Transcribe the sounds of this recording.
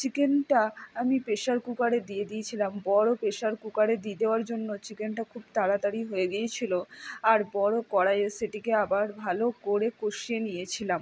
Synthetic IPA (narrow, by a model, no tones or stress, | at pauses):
t͡ɕikenʈaamipeʃaɾkukaɾed̪ied̪iet͡ɕʰilambɔɾopeʃaɾkukaɾed̪ied̪eoaɾd͡ʑonːot͡ɕikenʈakʰubt̪aɽad̪aɾiɦoeɡijet͡ɕʰiloaɾbɔɾokɔɽajeseʈikeabaɾbʱalokoɾekoʃienijet͡ɕʰilam